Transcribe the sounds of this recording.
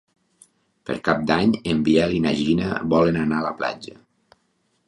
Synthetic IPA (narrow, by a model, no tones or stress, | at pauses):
pə̰ɾkap̚d̪aɲembiɛlinaʒinə̰βɔlenanaːləpla̰d͡ʒə